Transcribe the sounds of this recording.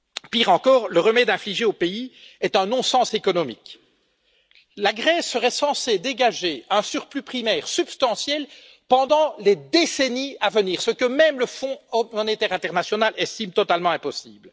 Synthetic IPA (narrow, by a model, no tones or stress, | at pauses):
piːʁɑ̃kɔːʁləʁəmɛd̪ɛ̃fliʒeopeiɛt̪œ̃nɔ̃sɑ̃sekɔnɔmik | laɡʁɛsːəʁɛsɑ̃sed̪eɡaʒeɛ̃syʁplypχimɛːʁsypst̪ɑ̃sjɛl | pɑ̃d̪ɑ̃led̪eseniavəniːʁsəkəmɛmləfɔ̃mɔnet̪ɛʁɛ̃t̪ɛʁnasjɔnalɛst̪imt̪ɔt̪almɑ̃ɛ̃pɔsiːbl